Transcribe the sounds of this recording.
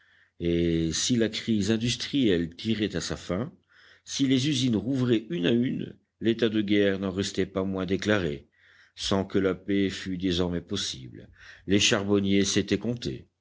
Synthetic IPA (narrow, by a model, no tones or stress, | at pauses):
esilakχizɛ̃d̪yst̪χijɛlt̪iʁɛt̪asafɛ̃ | silezyzinʁuvʁɛʔynayn | let̪ad̪əɡʲɛʁnɑ̃ʁɛst̪ɛpamwɛ̃d̪eklaʁe | sɑ̃kəlapefyd̪ezɔʁmɛpɔsḭblleʃaʁbɔnjeset̪ɛkɔ̃t̪ḛ